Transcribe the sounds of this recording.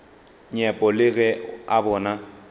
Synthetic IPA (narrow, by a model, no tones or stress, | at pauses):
ɲɛpʼɔlɪɣɛabɔːna